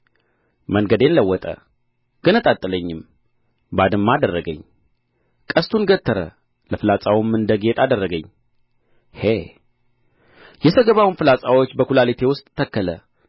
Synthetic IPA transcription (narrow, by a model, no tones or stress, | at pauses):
məŋɡəd̪e̞nləwːɔt̪ʼə̰ | ɡ̥ənət̪ʼat̪ʼːɨləɲːɪm | bad̪ɨmːad̪ərːəɡəɲː | kʼəst̪ʰunɡət̪ʰːəɾə̰ | ləfɨlat͡sʼawumːɨnd̪əɡet̪ad̪ərːəɡəɲː | he | jɛsəɡəβawunfɨlat͡sʼawot͡ʃːbəkulalit̪ʰe̞wʊst̪ʼʰːəkːələ